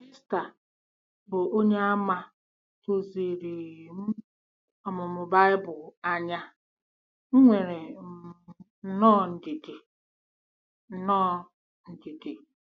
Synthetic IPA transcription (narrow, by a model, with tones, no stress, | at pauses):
i˦sta˨ | bʊ˨ʔo˦ɲe˦a˦ma˦ | to˨ze˨ɾe˨ɣm̩˦ | ɔ˨mʊ˨mʊ˨ba˦ɪ˦bʊ˨a˦ɲa˦ | ŋ̩˦ŋʷe˨ɾe˨m̩˨ | n̩˦nɔː˦n̩˨di˨di˨ | n̩˦nɔː˦ | n̩˨di˨di˨